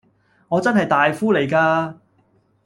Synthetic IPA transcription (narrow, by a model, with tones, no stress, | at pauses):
ŋɔː˨˧t͡sɐ˥nhɐ˨jt̪aː˨jfuː˥le˨˩jkaː˧